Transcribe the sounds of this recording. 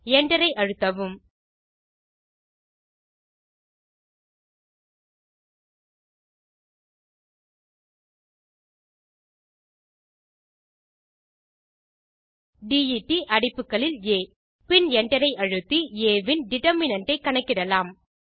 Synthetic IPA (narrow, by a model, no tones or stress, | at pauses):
ɛɳɖɐɾɐɪʔɐɻɯt̪ːɐʋɯm | ɖijiʈːiʔɐɽɪpːɯkːɐɭɪleː | pɪnɛɳɖɐɾɐɪʔɐɻɯt̪ːieːʋɪnɖɪʈɐmɪnɐɳʈɐɪkːɐɳɐkːɪɽɐlaːm